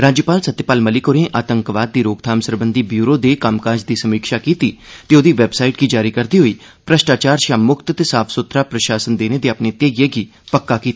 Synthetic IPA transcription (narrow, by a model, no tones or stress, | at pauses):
ɾaːd͡ʒjəpaːlsət̪ːjəpaːlməlɪkoːɾẽːʔaːt̪əŋkʋaːd̪̚ːiːɾoːɡt̪ʰaːmsəɾbənd̪iːbjuːɾoːd̪eːkəmkaːd͡ʒd̪iːsəmiːkʃaːkiːt̪iːt̪eːoːd̪iːʋɛbsaːiʈɡiːd͡ʒaːɾiːkəɾd̪iːɦoːiː | pɾəʃʈaːt͡ʃaːɾʃaːmʊkʰt̪t̪eːsaːpʰsʊt̪ɾaːpɾəʃaːsənd̪eːneːd̪eːapneːt̪jeːɡɪeːɡiː | pəkːaːkiːt̪aː